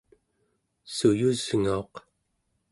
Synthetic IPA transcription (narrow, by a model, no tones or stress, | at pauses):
sujuz̥ŋao̞q